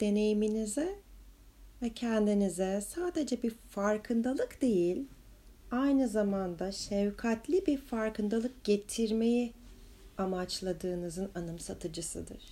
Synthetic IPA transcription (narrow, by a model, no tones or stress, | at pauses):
d̪̥e̞ne̞jiminizɛ | vɛcʰɛnd̪inizɛsaːd̪e̞d͡ʒɛbiɾfaɾkʰɯnd̪alˠɯkd̪e̞jilʲ | ajnɯzamand̪aʃɛvkʰat̪lʲibiɾfaɾkɯnd̪alˠɯk̚ɟ̥e̞t̪ʰiɾme̞ji | amat͡ʃlˠad̪ɯːnɯzɯnanɯmsat̪ʰɯd͡ʒɯsɯ̰d̪ɯ̰ɾ̥